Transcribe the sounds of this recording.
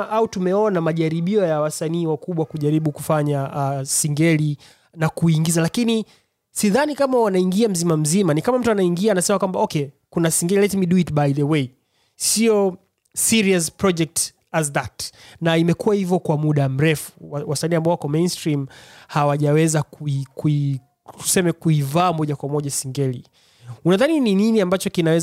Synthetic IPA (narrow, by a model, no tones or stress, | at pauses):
ʔautumɛɔnamaʄaɾiɓiɔjawasaniːwakuɓwakuʄaɾiɓukufaɲaʔsiŋɡɛli | nakuiŋɡizalakini | siðanikamawanaiŋɡiam̩zimam̩zimanikamam̩tuanaiŋɡiaːnasɛmakwambaɔkɛkunasiŋɡɛlilɛtmiɗuitɓajðəwei | siɔ | siɾiaspɾɔd͡ʒɛk̚t | azðatnaimɛkuwahivjɔkwamuɗam̩ɾɛfu̥wasaniambaɔwakɔmẽnstɾimhawaʄawɛzakuikui | tu̥sɛmɛkuivaːmɔʄakwamɔʄasiŋɡɛli | unaðaninininiambat͡ʃɔkinawɛz